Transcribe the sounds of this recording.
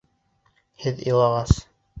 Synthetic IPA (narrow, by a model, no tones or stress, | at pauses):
hɘðɤ̰̆jlˠɑʁɑs